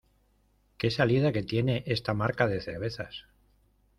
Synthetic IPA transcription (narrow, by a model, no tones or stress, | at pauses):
ke̞salið̞ake̞t̪je̞ne̞ʔe̞st̪amaɾkaðe̞θe̞ɾβ̞e̞θas